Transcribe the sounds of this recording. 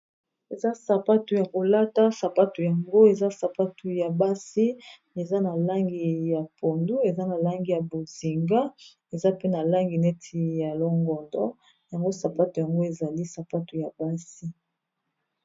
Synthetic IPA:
e˨za˦sa˨pa˦tu˨ja˨ko˨la˦ta˦sa˨pa˦tu˨ja˨ŋɡo˦e˨za˦sa˨pa˦tu˨ja˨ba˦si˦ | e˨za˦na˨la˦ŋɡi˨ja˨po˨ndu˦e˨za˦na˨la˦ŋɡi˨ja˨bo˨zi˨ŋɡa˦ | e˨za˦pe˦na˨la˦ŋɡi˨nɛ˦tʰi˨ja˨lɔ˦ŋɡɔ˨ndɔ̰˦ | ja˨ŋɡo˦sa˨pa˦tu˨ja˨ŋɡo˦e˨za˨li˦sa˨pa˦tu˨ja˨ba˦si˦

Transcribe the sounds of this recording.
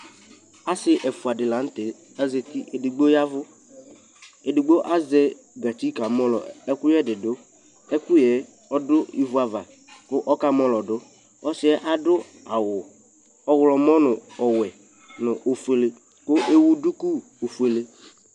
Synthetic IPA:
a˦sɪ˦ʔɛ˨fu˨a˨dɪ˨la˨˦n̩˦tɪ˨ | a˦ze˨ti˦ʔe˨dɪ˨ɡ͡bo˦ja˦vʊ˦ | e˨dɪ˨ɡ͡bo˦ʔa˦zɛ˦ | ɡa˨ti˦ka˨mɔ˦lɔ̰˨ɛ˦kʊ˦jɛ˦dɪ˨dʊ˦ | ɛ˦kʊ˦jɛ˨˦ | ɔ˦dʊ˦i˦vu˦a˨va˨ | kʊ˦ʔɔ˦ka˦mɔ˦lɔ˨dʊ˦ | ɔ˦sɪ˦ɛ˦ʔa˨dʊ˦ | a˨wʊ˨ | ɔ˦wʊ˨lɔ˨mɔ˦nʊ˨ɔ˨wɛ˨ | nʊ˨ʔo˨fu˨e˨le˦ | kʊ˦ʔe˦wu˦dʊ˦ku˦ | o˨fu˨e˨le˦

